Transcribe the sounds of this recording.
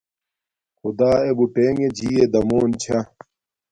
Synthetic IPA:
xud̪aːebuʈeːŋɡed͡ʑiːed̪ɐmoːnt͡ɕʰɐ

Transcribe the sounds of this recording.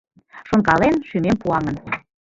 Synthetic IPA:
ʃoŋkɑlenʃymempuɑŋə̆n

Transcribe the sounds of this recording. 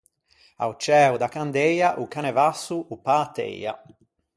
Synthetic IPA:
a̰wt͡ʃɛːud̪akand̪ɛjaʔukanɛvasːuupat̪ːḛja̰

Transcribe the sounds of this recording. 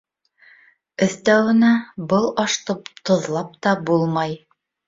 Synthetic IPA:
ɘ̆θt̪æwɘ̆næbɤlˠɑʃt̪ɤpt̪ŏðlˠɑp̚t̪ɑbulˠmɑj

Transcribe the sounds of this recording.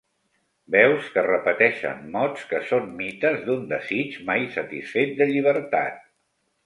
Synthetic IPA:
bɛwskərəpət̪ɛʃə̰nːɔt͡skəsommit̪əzd̪und̪əzit͡ʃmajsət̪isfet̪̚d̪əʎiβ̞əɾt̪a̰t̪̚

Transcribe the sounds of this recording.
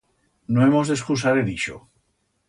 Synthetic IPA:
noemozðeskusaɾeðiʃo̰

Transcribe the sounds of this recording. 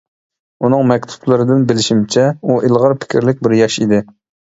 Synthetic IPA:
unɨŋmɛkʲt̪ʰu̥plˠɨɾɨd̪ɪnbɪlɪʃimt͡ʃʰɛuʔɪlˠʁəɾpʰɪ̥kʲʰɪɾlɪk̚ʲbɪɾjɑʃḭd̪ɪ

